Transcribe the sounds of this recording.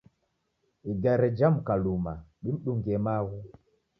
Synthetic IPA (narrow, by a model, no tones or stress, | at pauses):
iɡaɾɛd͡ʒam̩kalumaɗim̩ɗuŋɡɛmaɣu